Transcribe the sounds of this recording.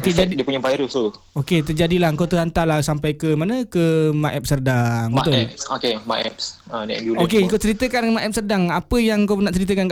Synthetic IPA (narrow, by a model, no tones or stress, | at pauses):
t̪əd͡ʒaddiəpuɲãpaiɾust̪u | oket̪əd͡ʒadilaŋkawt̪əɦant̪alahsampajkəmanə̃kəmaʔɛp̚sərdaŋbəat̪ʊɛsokemaʔɛ̰p̚s | ədiɛ̰ɡulokeŋkawt͡ʃəɾit̪əkannmaʔɛp̚sərdaŋapəjaŋkawnaʔt͡ʃəɾit̪̬əkan